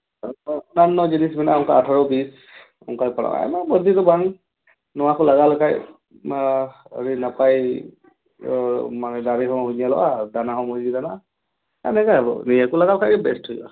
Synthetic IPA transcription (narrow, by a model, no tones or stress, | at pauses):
nanːɔd͡ʒinisbinaɔŋkaatʰaɹɔbis | ɔ̰ŋkajpɔɹa̰ʔa̰mabɔd̪ʱitɔbaŋ | nɔwakɔlaɡalɔkaj | ə̰ɹinapaj | manɛdaɹiɦɔmhuɲijalɔʔadanaɦɔmɔziɡidana | anɛkaabɔ̰niɛkulaɡalɔkʰajkɛbɛsthɔjba̰